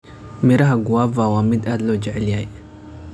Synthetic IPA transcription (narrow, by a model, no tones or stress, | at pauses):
mɪɾɐɦɐɡʊwaːvaːwaːmɪd̪aːd̪lɔːd͡ʒɛʕɛljaj